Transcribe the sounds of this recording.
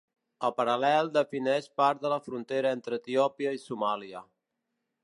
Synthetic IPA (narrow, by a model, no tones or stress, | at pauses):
əlˠpəɾəlɛlˠd̪əfinɛʃpaɾt̪d̪ələfɾunt̪eɾəent̪ɾəːt̪iɔpiəisumaliə